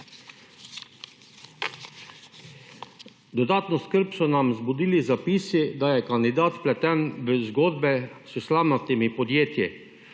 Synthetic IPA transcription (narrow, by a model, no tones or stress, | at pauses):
d̪ɔd̪aːt̪nɔskəɾpsɔnamzbud̪iːlizapiːsid̪ajɛkand̪id̪aːt̪plɛt̪ɛnʋəzɡoːd̪̚bɛsuslamnat̪imipɔd̪jeːt̪ji